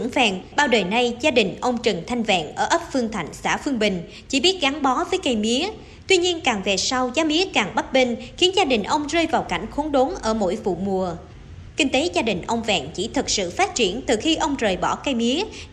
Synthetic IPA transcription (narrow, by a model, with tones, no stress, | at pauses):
vɛ̰˧˨nɓaː˧wɗəː˨˩jna˧jzaː˧ɗï˨˩ŋ̟ʔə˧wŋ͡mt͡ɕɨ˨˩ŋt̪ʰa˧jŋ̟vɛ̰ː˧˨nʔəː˧˩ʔə˦˥p̚fɨ˧əŋt̪ʰa˧˩jŋ̟sa̰ː˧˩fɨ˧əŋɓï˨˩ŋ̟ | t͡ɕḭ˧˩ɓi˦˥t̚ɣa˨˦ŋɓɔ˨˦vəː˨˦jka˧jmi˨˦ə | t̪wi˧ɲi˧ənkaː˨˩ŋvɛ˨˩sa˧wzaː˨˦mi˨˦əkaː˨˩ŋɓa˦˥t̚ɓï˧ŋ̟xi˨˦ənzaː˧ɗï˨˩ŋ̟ʔə˧wŋ͡mzəː˧jvaː˨˩wka̰˧˩jŋ̟xo˨˦nɗo˨˦nʔəː˧˩mo̰˧˥jvṵ˧˨mu˨˩ə | kï˧ŋ̟t̪e˨˦zaː˧ɗï˨˩ŋ̟ʔə˧wŋ͡mvɛ̰ː˧˨nt͡ɕḭ˧˩t̪ʰɨ˨˩k̚sɨ̰˧˨faː˦˥t̚t͡ɕi˧˩ənt̪ɨ˨˩xi˧ʔə˧wŋ͡mzəː˨˩jɓɔ˧˩ka˧jmi˨˦ə